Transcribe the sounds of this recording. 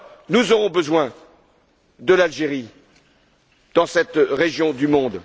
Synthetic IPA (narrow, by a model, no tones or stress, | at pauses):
nuzɔʁɔ̃bəzwɛ̃ | d̪əlalʒeʁi | d̪̥ɑ̃sɛt̪ʁeʒjɔ̃d̪ymɔ̃d̪